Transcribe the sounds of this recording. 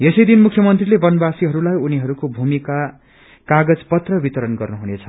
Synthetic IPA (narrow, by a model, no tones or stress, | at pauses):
esʌjd̪inmukʰjʌmʌnt̪rilebʌnbasiɦʌɾulajuniɦʌɾukobʱumika | kaɡʌd͡zpʌt̪rʌbit̪ʌɾʌnɡʌrnuɦunet͡sʰʌ̥